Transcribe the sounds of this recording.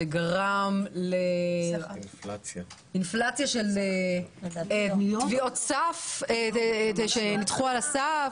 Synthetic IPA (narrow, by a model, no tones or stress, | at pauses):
eɡaʁamle | at͡s | inflat͡sjaʃele | t̪vio̞t̪safeʃenit̪χualasa